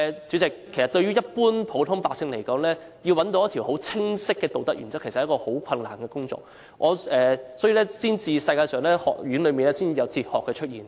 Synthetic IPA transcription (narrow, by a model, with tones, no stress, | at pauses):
t͡ʃy˨˥t͡sɪ˨k̚ʰːe˨˩jsɐ˨t̚t̪ɵ˧ɥyː˥jɐ˥t̚puː˥npʰo˨˥wt̪ʰʊ˥ŋpaː˧˨ksɪ˧ŋle˨˩jkɔː˨˥ŋlɛː˥ | jiː˧wɐ˨˥nt̪o˧wjɐ˥t̪ʰi˨˩ho˨˥wt͡sʰɪ˥ŋsɪ˥kːɛː˧t̪o˨wt̪ɐ˥k̚jy̰ː˨˩nt͡sɐ˥kʰe˨˩sɐ˨jkɔː˧ho˨˥wkʷʰɐ˧nla̰ː˨˩nkɛː˧kʊ˥ŋt͡sɔ̰ː˧k̚ | ʔɔː˨˧ɛː˨sɔ˨˥ji˧lɛː˥siː˥nt͡siː˧sɐ˧jkaː˧jsœː˨ŋlɛː˥hɔ̰ː˨˩k̚jy˨˥nlɵ˨˧ɥmi˨nlɛː˥siː˥nt͡siː˨ɐ˨˧wt͡siː˧t̚hɔː˨kːɛː˧t͡ʃʰɵ˥t̚jiː˨˩n